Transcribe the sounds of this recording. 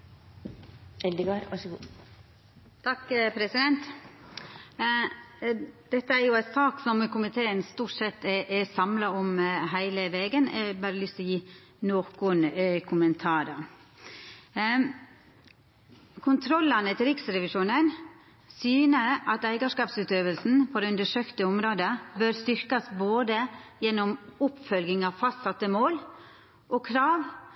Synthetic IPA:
ɛld̪əɡɑːɾʋɑʂɡuː | t̪ʰɑkːpʰɾɛsɪd̪ɛnt̪ | d̪̥ɛt̪ːəæɾjʊæt̪sɑːksɔmkʰʊmɪt̪ʰeːənst̪uːʈsɛt̪ːɛʔɛsɑmlɑɔmɦæɪləʋeːɡənɛbɑːɾəlʏst̪ɔjiː | noːkʊnkʰʊmənt̪ʰɑːɾəɾ | kʰʊnt̪ʰɾɔlːɑnət̪ʰɪlɾɪksɾɛʋɪʂuːnən | syːnəʔɑt̪æɪɡɑʂkɑːpsʉːt̪øːʋəlsn̩pʰɔd̪ɛʉnd̪əʂøːkt̪əʊmɾoːd̪əbøɾst̪ʏɾkɑsboːd̪əjɛnːɔmʊpfœlɡɪŋɑʋfɑst̪sɑt̪ːəmoːl | ʔɔkʰɾɑːʋ

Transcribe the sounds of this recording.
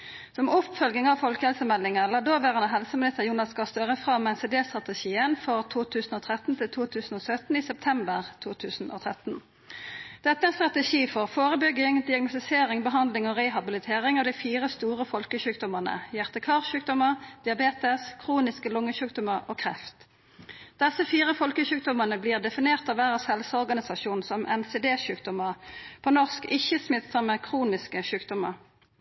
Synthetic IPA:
sɔmʊpfœlɡɪŋɑʋfɔlkəhɛlsəmɛlːɪŋəlɑd̪oːʋæːʁənəɦɛlsəmɪlɪt̪əjuːnɑskɑst̪øːʁəfʁɑmːɛnseːd̪eːst̪ʁɑt̪ɛʃiːənfɔʁt̪ʰuːt̪ʰʉːsən̩oːt̪ʰʁɛt̪n̩t̪ʰɪlt̪ʰuːt̪ʰʉːsn̩oːsœt̪n̩isɛp̚t̪ʰɛmbəʁt̪ʰuːt̪ʰʉːsn̩ʔo̰ːt̪ʰʁɛt̪n | d̪̥ɛt̪ːəɛnst̪ʁɑt̪ɛʃiːfɔʁfoːʁəbʏɡɪŋd̪ɪɑɡnʊst̪ɪseːʁɪŋbəɦɑnd̪lɪŋɔʁɛɦɑbɪlɪt̪ʰeːʁɪŋɑʋd̪ɪfiːʁəst̪uːʁəfɔlkəʃʉːk̚d̪ɔmənə̰jæʁt̪əkʰɑːʁʃʉːk̚d̪ɔməʁd̪̥ɪɑbeːt̪əskʰʁuːnɪskəlʊŋːəʃʉːk̚d̪ɔməʁoːkʰʁɛft̪ | d̪̥ɛsəfiːʁəfɔlkəʃʉːk̚d̪ɔmənəbliːʁd̪ɛfɪneːʁt̪ɑːʋæːʁɑshɛlsɔʁɡɑnɪsɑʃuːnsɔmʔɛ̰nseːd̪eːʃʉːk̚d̪ɔməʁpʰonɔʁskɪçːəsmɪt̪sɑmekʰʁuːnɪskəʃʉːkd̪ɔmə̰ʁ

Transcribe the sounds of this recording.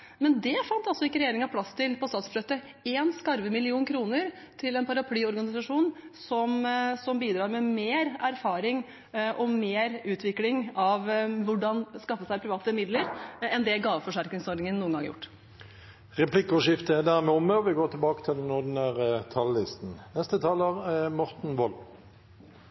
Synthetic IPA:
mɛnd̪ɛfɑnt̪ɑlsɔɪkːəɾɛjeːɾɪŋɑʋpʰlɑst̪ʰɪlpʰɔst̪ɑːt̪sfɭøːt̪ə | eːnskɑɾʋəmɪlɪuːnkʰɾuːnəɾ | t̪ʰɪlɛnpʰɑɾɑpʰlyːɔɾɡɑnɪsɑʂuːnsɔmsɔmbiːd̪ɾɑːɾmɛmeːɾæɾfɑːɾɪŋ | ʔɔmeːɾʉːt̪ʰʋɪklɪŋɑʋʋʊɖɑnskɑfːəsæɪpʰɾɪʋɑːt̪əmɪd̪ləɾɛnd̪ɛɡɑːʋəfɔʂæɾknɪŋsɔɖ̪nɪŋənːuːənɡɑ̰ŋə̰jʊ̰ʈː | ʁɛpʰlɪkɔʂɪft̪əɛd̪æʁmɛːɔməɔʋɪɡoːt̪ʰɪlbɑːkə̥t̪ʰɪld̪ɛnʊd̪ɪnæːʁət̪ʰɑlːɪst̪n̩nɛst̪ət̪ʰɑːləʁmɔʁt̪n̩ʋɔl

